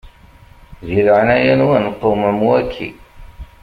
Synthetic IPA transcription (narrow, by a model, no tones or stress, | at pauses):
ðiɾʕnæjænwænqːoməmwækʰːḭ